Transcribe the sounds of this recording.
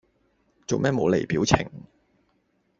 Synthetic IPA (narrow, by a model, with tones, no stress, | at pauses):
t͡so˨wmɛː˥˩mo˨˧wle˨˩jpiː˨˥wt͡sʰɪ̰˨˩ŋ